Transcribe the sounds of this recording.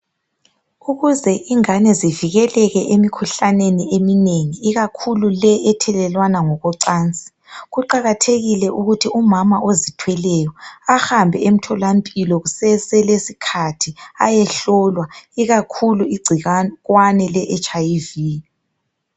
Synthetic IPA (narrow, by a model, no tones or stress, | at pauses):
uɣuzɛʔiŋanɛziviɣɛlɛɣɛʔemikʰuɬaneniemineŋiːɣakʰululɛʔːtʰɛlɛlwanaŋɔɣɔǀaːnt͡sʼi̥ɣuǃaɣatʰeɣilɛʔuɣutʰiumamaʔozitʰwɛlɛjɔahambʱɛem̩tʰɔlampʼilɔɣusɛsɛlesikʰatʰia̰jɛɬɔlwaiɣakʰuluiɡ͡ǀʱiɣwanɛlɛʔɛt͡ʃʼaivi